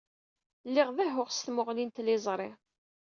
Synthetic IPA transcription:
lːɪʁðæɦʊʁst̪mʊʁlint̪lɪzˤɾˤe

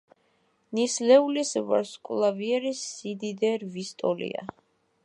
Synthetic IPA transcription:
nislɛulisva̰ɾskʼulˠaviɛɾisːid̪id̪ɛɾvist̪ʼɔlḭa̰

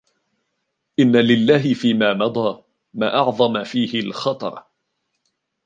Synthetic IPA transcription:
ʔɪnːalɪlːaːɦɪfiːmaːmɑd̪ˤɑː | ma̰ːʔɑʕðˤɑmafiːhɪlxɑt̪ˤɑ̰ɾˤ

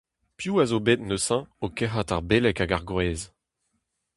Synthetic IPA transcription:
pjuːazobet̪nøsɛ̃okɛɦat̪aʁbelɛkaɡaʁɡʁeːz

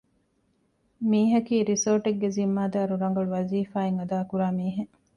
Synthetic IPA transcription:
miːɦɐkiːɾisoːʈeɡːezimːaːd̪aːɾuɾɐŋ̆ɡɐɭuʋɐziːfaːeŋɐd̪aːkuɾaːmiːɦe

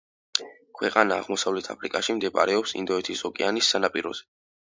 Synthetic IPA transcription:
kʰwɛqʼanaːʁmɔsavlɛt̪ʰa̰pʰɾikʼaʃimd̪ɛpʼa̰ɾɛɔpsḭnd̪ɔɛt̪ʰisɔkʼɛanisːanapʼiɾɔ̰z̥ɛ

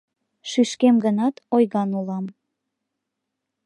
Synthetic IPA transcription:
ʃyʃkemɡənɑt̪ojɣɑnulɑm

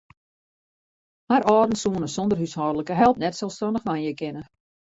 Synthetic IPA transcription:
haɾɔːdn̩suənəsɔndərhyshɔːdələkəɦɛlˠp̚nɛtsɛlˠstɔndəxʋanjəkɪnə

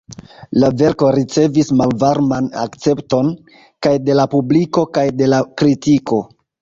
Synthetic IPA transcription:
lave̞ɾko̞ɾit͡se̞vismalvaɾmana̰kt͡se̞pto̞n | kajde̞lapubliko̞kajde̞lakɾitiko̞

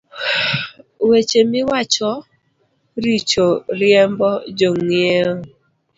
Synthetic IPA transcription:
wet͡ʃemɪwat͡ʃɔ | ɾit͡ʃoɾjɛmbɔd͡ʒoŋjeo

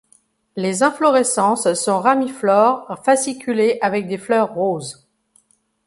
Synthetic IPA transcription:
lezɛ̃flɔʁɛsɑ̃ssɔ̃ʁamiflɔːʁfasikʲʰyleʔavɛk̚d̪eflœʁːoz

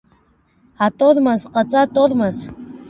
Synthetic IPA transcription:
atʼormazqʼat͡sʼatʼormaz

